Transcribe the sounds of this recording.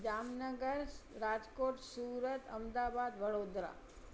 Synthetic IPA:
d͡ʒamnəɡəɾɾad͡ʒkoʈsuɾət̪əmd̪abad̪ʋəɽod̪ɾa̰

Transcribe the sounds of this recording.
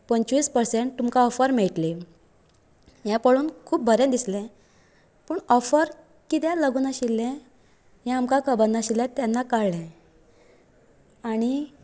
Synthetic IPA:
pənt͡ɕʋiːspəɾseɳʈ̚t̪umkaɔfəɾmeɭʈli | jɛ̃pəɭuːnkʰuːp̚bʱəɾẽd̪islɛ̃ | pəɳɔfəɾ | kit̪jɛ̃ləɡunaɕilːɛ̃ | jɛ̃amkakʰəbənːaɕilːɛ̃t̪janːakaɽlɛ̃ | aɽ̃i

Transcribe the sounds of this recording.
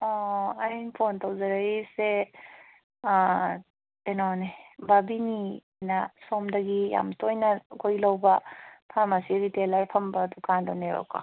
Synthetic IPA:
ɔajnpʰontɐwzɐɾajise | enɔnebabini | nɐsomdɐɡija̰mtojnɐɡojlawbɐpʰamɐsiɾitelɐɾpʰɐmbɐdukandɔneɾɔ̰ka̰

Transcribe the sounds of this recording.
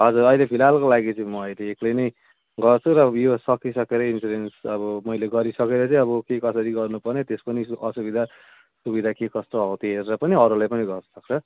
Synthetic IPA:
ɦʌd͡zuɾʌilepʰilalkolaɡit͡sʌĩmʌːjleːklʌjnʌj | ɡʌrt͡sʰuɾʌjosʌkisʌkeɾʌinsuɾensʌbʌmʌjleɡʌɾisʌkeɾʌt͡sʌĩʌβʌkekʌsʌɾiɡʌrnupʌrnet̪espʌniʔʌsubid̪ʱa | subid̪ʱakekʌst̪oɦʌwt̪iɦeɾɾʌpʌniʌɾulajpʌniɡʌrnʌsʌk̚t͡sʰʌ

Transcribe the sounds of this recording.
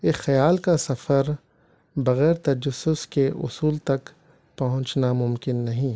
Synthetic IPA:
exɐjaːlkasɐfəɾ | bɐɣɛːɾt̪ɐd͡ʒʊsːʊskeʔʊ̰suːlt̪ɐk | pɐɦʊ̃t͡ʃnamʊmkɪnːɐɦĩː

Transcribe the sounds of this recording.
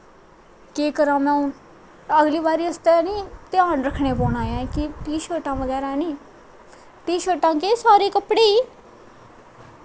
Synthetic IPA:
keːkəɾãːmɛ̃ːʊn | əɡliːbaːɾiːəst̪eːniːt̪ɪaːnɾəkʰɳeːpoːnaːjãːkiʈiːʃəːɾʈãːʋəɡɛːɾaːɛnĩː | ʈiːʃəːɾʈãːkeːsaːɾiːkəpɽeː

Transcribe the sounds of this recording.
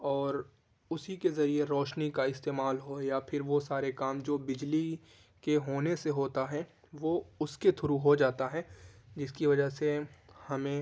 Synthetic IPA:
ɔːɾ | ʊsikezɐɾieɾɔːʃnikaɪst̪eːmaːlɦojapʰɪɾʋosaːɾekaːmd͡ʒoːbɪd͡ʒli | keɦoːneseɦoːt̪aɦɛ | ʋoʊsket̪ʰʊɾuɦod͡ʒaːt̪aɦɛːd͡ʒɪskiʋɐd͡ʒəɦsehɐmẽ

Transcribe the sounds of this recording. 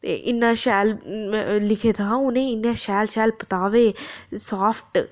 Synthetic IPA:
t̪ḛːʔɪnːãːʃɛːl | lɪkʰeːt̪aãʊnẽːɪnːãːʃɛːlʃɛːlpət̪aːʋeːsaːfʰʈ

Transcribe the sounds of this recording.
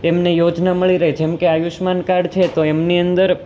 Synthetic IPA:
emnejod͡ʒnaməɭiɾəɦed͡ʒemkeajuʃmankaɽt͡ʃʰet̪oemniənd̪əɾ

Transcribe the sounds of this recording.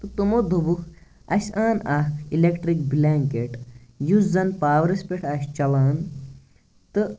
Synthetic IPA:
t̪ɨt̪umod̪ʱubukʰ | ɐsʲaːnɐɦilekʈɾik̚blʲaːŋkeʈjuszɐnpaːʋɾɐsʲpeʈʰɐst͡ʃɐlaːn | t̪ɨ

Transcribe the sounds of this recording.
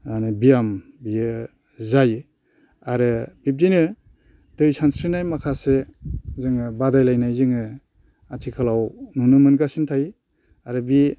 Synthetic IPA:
anɯbijam | biɯ | zajɯ | aɾɯbip̚dinɯ | dɯjsansɾinajmakʰasezɯŋɯbadajlajnajzɯŋɯ | atʰikʰalawnunumɯnɡasintʰaj | aɾɯbi

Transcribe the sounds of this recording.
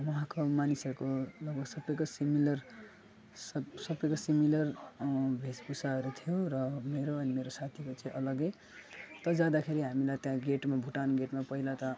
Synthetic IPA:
wʌɦãkomanisʌrkoʌbʌsʌbʌjkosimilʌr | sʌsʌbʌjkosimilʌrbʱesbusaʌɾut̪ʰijoɾʌmeɾoʌnimeɾosat̪ʰikot͡saĩʔʌlʌɡe | t̪ʌd͡zad̪akʰeɾiɦamilajt̪jãɡeʈmabʱuʈanɡeʈmapʌɦilat̪ʌ

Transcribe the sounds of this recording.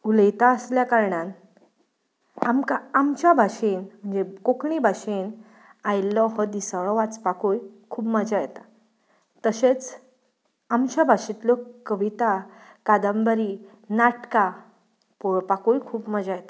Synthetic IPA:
uləjt̪aəsljakaɾɳãn | amkaamt͡ɕjabʱaɕenm̤əɳd͡zekokɳibʱaɕen | ajlɔɦɔd̪isəɭɔʋat͡spakujkʰuːbməd͡zajet̪a | t̪əɕet͡s | amt͡ɕabʱaɕit̪lɔkəʋit̪akad̪əmbəɾi | naʈka | pɔɭpakujkʰuːpməd͡zajet̪ḁ

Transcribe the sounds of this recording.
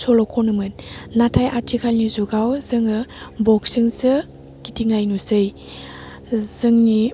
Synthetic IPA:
sɔlɔkʰɔnɯmɯnnatʰajʔaɾtʰikʰalnizuɡawz̥ɯŋɯbɔksiŋsɯ | ɡ̥itʰiŋnajnuzɯj | z̥ɯŋni

